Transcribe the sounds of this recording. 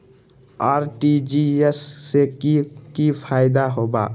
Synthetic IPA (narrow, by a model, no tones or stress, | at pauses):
aɾʈid͡ʒiesːekikipʰajd̪aɦoba̰